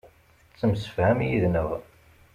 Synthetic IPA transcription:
t͡sːəmsə̥fhæmjiðnəʁ

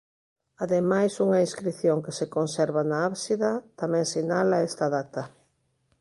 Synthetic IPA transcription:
aðemajsuŋɐĩnskɾiθjoŋkesekonsɛɾβanaaβsiðɐt̪amɛ̃ŋsinalaest̪aðat̪ɐ

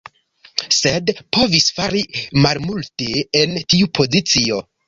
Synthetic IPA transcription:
se̞dpo̞visfaɾimalmulte̞entiupʰo̞zit͡sio̞

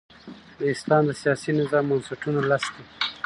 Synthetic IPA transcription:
d̪əɪst̪ɑnd̪əsijɑsinɪzɑmːʊnsaʈunolask̪e

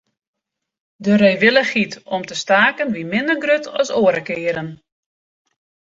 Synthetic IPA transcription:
dəɾejʋɪləχitɔmtəstaːkənʋimɪndəɡrøtʰɔ̰soːəɾəkɪːəɾən

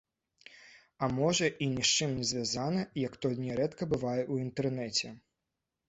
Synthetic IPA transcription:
ɐmɔʐɐʔinʲɛʂt͡ʂɨmnʲɛzʲvʲazanɐjɐkt̪ɔlʲnʲɛɾɛt̪kɐbɨvajɛʔuint̪ɛrnɛt͡sʲɛ

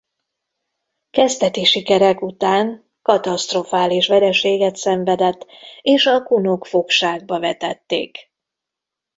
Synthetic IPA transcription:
kɛzt̪ɛt̪iʃikɛɾɛkut̪aːŋ | kɒt̪ɒst̪ro̞faːliʃʋɛɾɛʃeːɡɛt̪sɛɱvɛd̪ɛt̪ːeːʃɒkunokfo̞kʃaːɡ̚bɒvɛt̪ɛt̪ːḛːk

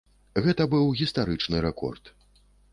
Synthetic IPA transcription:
ɣɛt̪ɐbɨwɣʲist̪aɾɨt͡ʂnɨɾɛkɔ̰rt̪

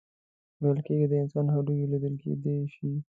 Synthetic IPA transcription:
wejəlkeɡid̪əɪnsɑnɦad̪ujelid̪əlkḛd̪eʃi

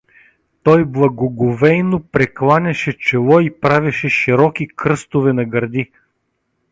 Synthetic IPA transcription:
t̪ɔjblˠɐɡoɡovɛjnopɾɛklˠanʲɐʃɛt͡ʃɛlˠɔipɾavʲɐʃɛʃiɾɔkikɾɤst̪ʊvɛnɐɡɐɾd̪i

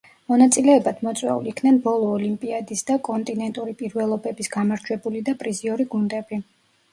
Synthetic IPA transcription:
mɔnat̪sʼilɛːbad̪̥mɔt̪sʼwɛ̰ṵliːkʰnɛnbɔlˠɔːlimpʼiad̪isd̪akʼɔnt̪ʼinɛnt̪ʼuɾipʼiɾvɛlˠɔbɛbisɡ̥amaɾd͡ʒwɛbulid̪apʼɾiziɔɾiɡund̪ɛbi

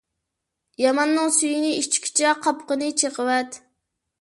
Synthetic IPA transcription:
jɑmɑnːɨŋsyjinɪiʃt͡ʃʰkʲʰt͡ʃʰɛqʰɑpqənɨt͡ʃʰeqəwɛt̪

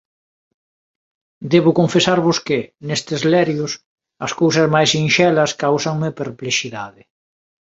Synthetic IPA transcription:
d̪eβʊkoɱfesaɾβʊskɪnest̪ezlɛɾjʊs | ɐskowsɐzmajsinʃɛlɐskawsɐŋmɪpeɾpleʃiðaðɪ

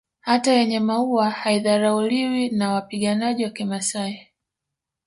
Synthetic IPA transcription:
hatajɛɲɛmauahaiðaɾauliwinawapiɠanaʄiwakimasai

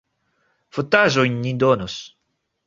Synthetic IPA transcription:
fot̪aʒojnːid̪onos

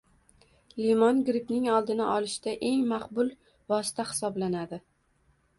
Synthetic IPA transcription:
limɒnɡɾɪpnɪŋɒlˠd̪ɪnɪʔɒlɪʃd̪aʔe̞ŋmaqbʊlˠ | vɒsɪ̥t̪ʰahɪ̥sɒblanad̪ɪ

